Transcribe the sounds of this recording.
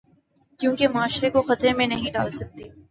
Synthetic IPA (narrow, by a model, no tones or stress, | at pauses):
kjõːkemaːʃɾekoxɐt̪ɾẽmẽnɐɦĩɖa̰ːlsɐk̚t̪i